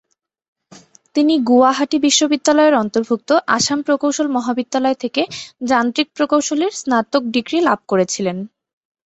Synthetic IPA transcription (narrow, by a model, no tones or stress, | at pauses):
t̪iniɡuaɦaʈibiʃːobid̪ːalɔeɾɔnt̪oɾbʱuk̚t̪oʔa̰ʃampɾokowʃolmɔɦabid̪ːalɔet̪ʰeked͡ʑant̪ɾik̚pɾokowʃoleɾsnat̪ok̚ɖiɡɾilab̚ʱkoɾet͡ɕʰilen